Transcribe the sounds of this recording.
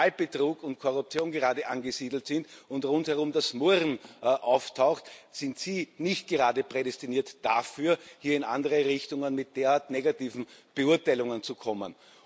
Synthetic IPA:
alb̥ətʁuːkʊntkʰoʁʊp̚t͡sjoːnɡəʁaːdəʔanɡəziːdl̩tsɪntʊntʁʊnthɛɐʁʊmdasmoɐʁn̩ʔaʊftʰaʊxtsɪntsiːnɪçt̚ɡ̥əʁaːdəpʁ̥edɛstiniːɐtd̥afyːɐhiːɐɪna̰ndəʁəʁɪçtʊŋənmɪt̚d̥eːɐaːɐtneɡatiːvn̩b̥əʊɐtaɪlʊŋənt͡sukʰɔmə̰n

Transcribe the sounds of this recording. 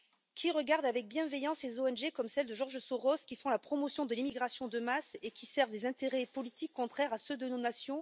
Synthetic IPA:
kʲʰiʁəɡaʁd̪avɛk̚bjɛ̃vɛjɑ̃slezoɛnʒekɔmsɛld̪əʒɔʁʒəsoʁɔskʲifɔ̃lapχɔmɔsjɔ̃d̪əlimiɡʁasjɔ̃d̪əmasekʲisɛʁvd̪ezɛ̃t̪eʁɛpɔlit̪ikːɔ̃t̪χɛʁasød̪ənonasjɔ̃

